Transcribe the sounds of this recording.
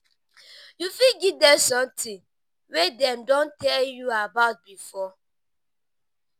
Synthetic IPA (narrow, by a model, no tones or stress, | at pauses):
jufilɡidɛsɔ̃mtʰĩŋ | wedɛ̃mdõntʰɛljuabaʊt̚bifɔ